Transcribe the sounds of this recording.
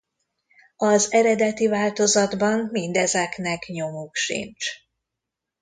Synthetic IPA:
ɒzɛɾɛd̪ɛt̪ivaːlt̪o̞zɒd̪bɒmmind̪ɛzɛknɛkɲo̞mukʃḭnt͡ʃ

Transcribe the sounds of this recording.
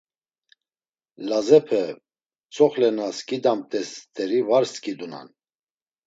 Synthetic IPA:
lazɛpʰɛ | t͡sʰʼɔχlɛnaskid̪amt̪ʼɛst̪ʰʼɛɾivaɾskʰʼid̪una̰n

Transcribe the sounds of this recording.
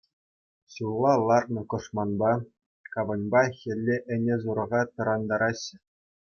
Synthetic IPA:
ɕulˠɑlˠɑrnɤ̆kɤ̆ʂmɑnbɑ | kɑʋɤ̆nʲbɑxʲɘ̆lʲːeʔɘ̆nʲezuɾɤ̆ʁɑt̪ɤ̆ɾɑnd̪ɑɾʔɑɕ

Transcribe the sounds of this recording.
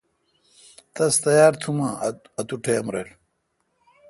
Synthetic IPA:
t̪ɐst̪ɐjaːɾt̪ʰumãː | ɐt̪uʈʰeːɐmɾḛl

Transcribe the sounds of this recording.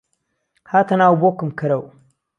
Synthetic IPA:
hat̪anawubokɨmkəɾaw

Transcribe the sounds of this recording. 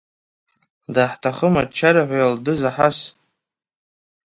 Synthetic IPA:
daħtʰaχəmat͡ʃʰaɾaħʷajaldɨzaħas

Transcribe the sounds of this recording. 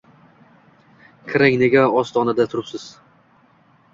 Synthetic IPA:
kʲʰɾaŋneɡʲaɒst̪ʰɒnad̪at̪ʰʊɾɪpsɪz̥

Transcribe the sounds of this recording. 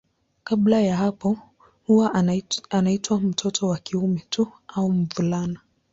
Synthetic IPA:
kaɓlajaɦapɔ | huwaʔanaitwam̩tʰɔtʰɔwakiumɛtʰuaum̩vulana

